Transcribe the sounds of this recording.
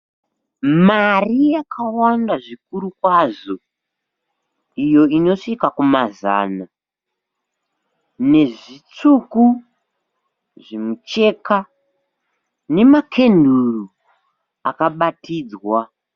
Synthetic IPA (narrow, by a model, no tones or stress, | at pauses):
marijakʰawandaʐik̚uɾukwaʐo̞ | ijo̞ino̞ʂikakumaza̰ːna | ne̞ʐit͡suku | ʐimut͡ʃe̞ka | ne̞makʰe̞nduru | akaɓatiːd͡zwa